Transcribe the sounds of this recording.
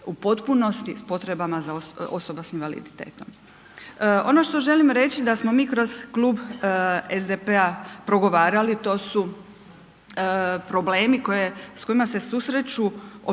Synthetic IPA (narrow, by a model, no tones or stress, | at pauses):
upo̞t̪puno̞st̪ispo̞t̪ɾe̞bamazaoo̞̰so̞basinʋalḭd̪it̪e̞̰ːt̪o̞m | o̞̰no̞ʃt̪o̞ʒe̞limɾe̞t͡ʃid̪asmo̞miːkɾo̞z̥kluːb | ezd̪epe̞apɾo̞ɡo̞ʋaːɾalit̪o̞ːsu | pɾo̞ble̞ːmiko̞je̞sko̞imase̞susɾet͡ʃuo